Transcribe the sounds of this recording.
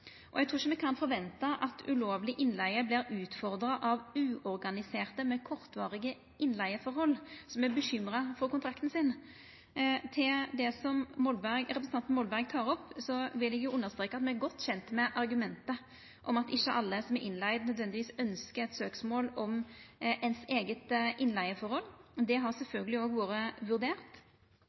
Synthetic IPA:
ʔɔ̰ɛɡ̚t̪ɾuːɪʃəmɛkʰɑnfɔɾʋɛnt̪ɑʔɑt̪ʰʉ̰loːʋlɪʔɪnlæɪəbliːɾʉːt̪fɔɾd̪ɾɑʔɑʋʉːʔɔɾɡɑnɪseːʁt̪əmɛkʰɔʁt̪ʋɑːʁɪɡə | ʔɪnːlæɪəfɔɾɦɔlːsɔmæbəɕʏmɾɑfɔkʊnt̪ɾɑkt̪n̩sɪn | t̪ʰɪld̪ɛsɔmmɔlbɡɾɛp̬ɾs̩ɑnt̪nmɔlbæɾɡt̪ʰɑːɾɔpːsɔʋɪlɛɡjʊʔʉnːəʁst̪ɾeːkːəɑt̪mɛæɾɡɔt̪ːɕɛnt̪mɛʔɑɾɡʉmɛnt̪ə | ʔɔmɑt̪ɪɕːəʔɑlːəsɔmɛɾʔɪnlæɪd̪nœd̪ʋɛnd̪ɪʋiːsœnskəɾɛt̪søːksmoːlɔmʔɛnseːɡət̪ʔɪnlæɪəfɔɾhɔlːd̪ɛɦɑʁsɛlfœlɡəlɪoːɡʋoːɾəʋʉɾd̪eːʁt̪

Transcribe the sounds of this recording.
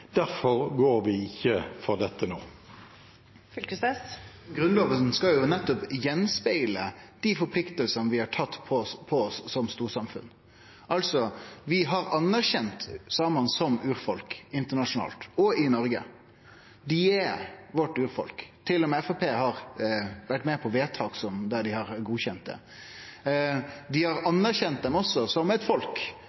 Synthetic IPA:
d̪̥æɾfɔʁɡoːɾʋɪɪçːəfɔʁd̪ɛt̪ːənoː | fʏlkəstɛsɡɾʉnloːʋəlsn̩skɑjʊnɛt̪ːɔpjɛnspæɪləd̪̥ifɔɾpʰlɪkt̪əlsənʋɪhɑʈʰɑt̪ːpʰɔspʰɔɔsːɔmst̪uːɾsɑmfʉ̰n | ʔɑlsɔʋɪɦɑɾɑnːæɾçɛnt̪sɑːmɑnsɔmʉːɾfɔlkɪnt̪əɳɑʂʊnɑ̰ːlt̪ɔɪnɔɾɡə̰ | d̪ɪɛʋɔʈːʉːɾfɔ̰lkt̪ʰɪlːɔmɛfopʰeːɦɑɾʋæʈːmɛpʰɔʋeːt̪ʰɑːksɔmd̪æɖ̪ɪhɑɾɡuːçɛnt̪̚d̪ɛ̰ | d̪ɪhɑɾɑnːæɾçɛnt̪̚d̪ɛmɔsːɔsɔmɛɪt̪fɔlk

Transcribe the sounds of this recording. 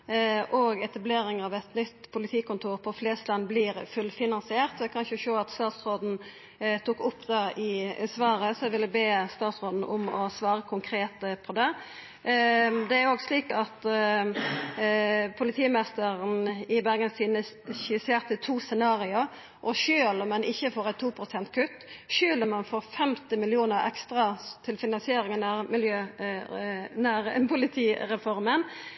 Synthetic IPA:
ʔɔɡɛt̪ɑbleːɾɪŋəɑːʋɛt̪nʏt̪ːpʰʊlɪt̪ʰiːkʊnt̪ʰuːʁpʰɔfleːst̪lɑnbliːɾfʉlfɪnɑnsɪeːʁt̪ʋɛkʰɑnʃəʃoːɑt̪st̪ɑːt̪sʁoːd̪n̩ | t̪ʰuːkʊpːd̪ɑʔɪsʋɑːɾəsɔʋɪləbeːst̪ɑːt̪sʁoːd̪n̩ʔʊmɔsʋɑːʁəkʰʊŋkʰɾeːt̪əpʰɔd̪ɛ | d̪ɛæɾoːɡsliːkɑt̪ | pʰʊlɪt̪ʰiːmɛst̪əʁənɪbæʁɡənsiːnə | çɪseːʁt̪ət̪ʰuːsɛnɑːʁɪʊɾ | ʔɔʃøːlmɛnʔɪçːəfoːʁæɪt̪ʰːuːpʰɾʊsɛnt̪̚kʰʉt̪ːʃøːlɔmɛnfoːʁfɛmt̪ɪmɪlɪuːnəɾɛ̰kst̪ɾɑt̪ʰɪlfɪnɑnsɪeːɾɪŋənæʁmɪljøː | næʁpʰʊlɪt̪ʰiːɾɛfɔɾmən

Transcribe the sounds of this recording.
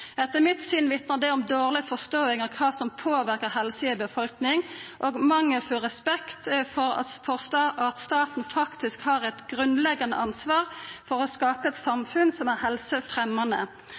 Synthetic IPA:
ɛt̪ːəmɪt̪sʏnʋɪt̪nəʁd̪ɛɔmd̪oːʁlɪfɔst̪oːɪŋəʁkʰɑːsɔmpʰoːʋæɾkəʁɦɛlsɪəbəfɔlknɪŋʔoːɡmɑŋːəfɔʁɛspɛkt̪fɔɾɑ̰fɔʁst̪ɑʔɑt̪st̪ɑːt̪n̩fɑkt̪ɪskhɑːʁɛt̪ɡɾʉnlɛɡːɑnəʔɑnsʋɑːʁfɔɾɔskɑːpəɛt̪sɑmfʉnsɔmæʁhɛlsəfʁɛmːɑnə̰

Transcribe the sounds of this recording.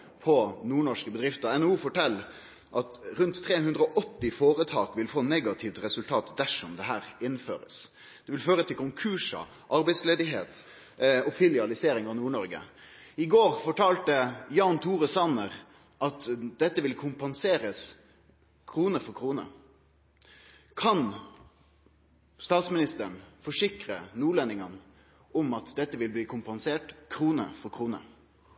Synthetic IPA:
pʰɔnuːɳɔʂkəbəd̪ɾɪft̪əɾɛnuːfɔʈɛlː | ʔɑt̪ɾʉnt̪ʰːɾeːɦʉnd̪ɾəɔʔɔt̪ːɪfoːɾət̪ʰɑːkʋɪlfoːnɛɡɑt̪ʰɪʋft̪ɾɛsʉlt̪ʰɑːt̪d̪æʂɔmd̪ɛɦæːɾɪnːfø̰ːɾə̰s | d̪̥ɛʋɪlføːɾət̪ʰɪlkʊŋkʰʉːʂɑ̰ | ʔɑɾbɛɪd̪sleːd̪ɪɦḛːt̪ | ɔphɪlɪɑlɪseːɾɪŋɑnuːɳɔɾɡə̰ | ɪɡoːɾfɔʈɑːlt̪əjɑːnt̪ʰuːɾəsɑnəʁ | ʔɑt̪d̪̥ɛt̪ːəʋɪlkʰʊmpɑnseːɾəs | kʰɾuːnəfɔɾkʰʁuːnə̰ | kʰɑn | st̪ɑːt̪smɪnɪst̪əɳfɔʂɪkɾənuːlɛnːɪŋən | ɔmɑt̪d̪ɛt̪ːəʋɪlbliːkʰʊmpɑnseːʈkʰɾuːnə̰fɔɾkʰɾuːnə̰

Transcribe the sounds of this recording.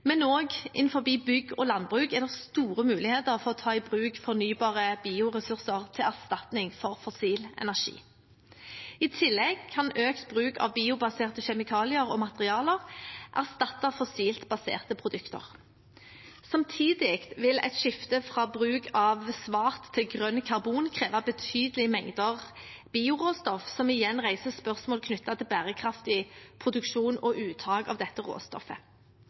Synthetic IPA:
mɛnoːɡʔɪ̰nfɔʁbiːbʏɡoːlɑnd̪bʁʉːkɛd̪ɛst̪uːʁəmʉːlɪheːt̪əʁfɔʁɔt̪ʰɑːɪbʁʉːkfɔʁnyːbɑːʁəbiːʊʁɛsʉʁsəʁt̪ʰɪlæʁst̪ɑt̪nɪŋfɔʁfɔsiːlɛ̰næʁʃḭː | ɪt̪ʰɪlːɛɡkʰɑnøːkt̪bʁʉːkʰɑ̰ʋbiːʊbɑseːʁt̪əʃɛmɪkʰɑːlɪəʁoːmɑt̪əʁɪɑːləʁʔæʁst̪ɑt̪ːəfɔsiːlt̪bɑsḛːʁt̪əpʰʁʊd̪ʉkt̪ə̰ʁ | sɑmt̪ʰiːd̪ɪkt̪ʋɪlɛ̰t̪ʃɪft̪əfʁɑːbʁʉːkɑʋsʋɑːʁt̪ʰːɪlɡʁœnkʰɑʁbuːnkʰʁeːʋɑbət̪ʰyːd̪əlɪmɛŋd̪əʁ | b̥iːʊʁoːst̪ɔfsɔmɪjɛnːʁæɪsəspœʁsmoːlkʰnʏt̪ːɑt̪ʰɪlbæːʁəkʰʁɑft̪ɪpʰʁʊd̪ʉkʃuːnɔʔʉːt̪ʰɑːɡɑ̰ʋd̪ɛt̪ːəʁo̰ːst̪ɔ̰fə

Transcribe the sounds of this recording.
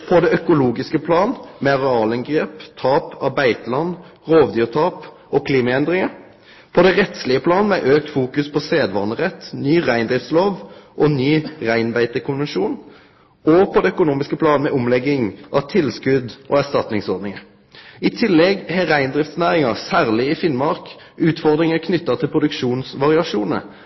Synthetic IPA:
pʰɔd̪ɛœkʊluːɡɪskəpʰlɑːnmɛʁɛɑːləŋɡʁeːpt̪ʰɑːpɑbæɪt̪əlɑnː | ʁoːʋd̪yːt̪ʰɑːp | ɔkʰliːmɑɛnd̪ʁɪŋə | pʰɔd̪ɛʁɛt̪slɪəpʰlɑːnmɛʔøːk̚t̪fuːkʉspʰɔseːd̪ʋɑːnəʁɛt̪ːnyːʁæɪnd̪ʁɪft̪sloːʋʔɔnyːʁæɪnbæɪt̪əkʰʊnʋɛnʃuːn | ɔpʰɔd̪ɛœkʊnuːmɪskəpʰlɑːnəmɛʔʊmlɛɡːɪŋʔɑʋt̪ʰɪlskʉd̪ʔo̰ːæʁst̪ɑt̪nɪŋsɔʁɾd̪nɪŋə | ɪt̪ʰɪlːɛɡhɛʁæɪnd̪ʁɪft̪snæːʁɪŋəʁsæːʁlɪɪfɪnmɑʁk | ʉːt̪fɔʁd̪ʁɪŋəkʰnʏt̪ːət̪ʰɪlpʰʁʊd̪ʉkʃuːnsʋɑʁɪɑʃuːnə̰

